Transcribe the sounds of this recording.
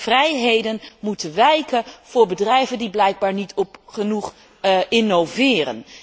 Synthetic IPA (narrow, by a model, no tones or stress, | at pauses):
v̥rɛjɦejdənmutənʋɛjkənv̥ʊːɹbədrɛjvəndiblɛjɡ̚baːɹnitʰɔpχənuχ | ʔɪnowvɪːrə̰n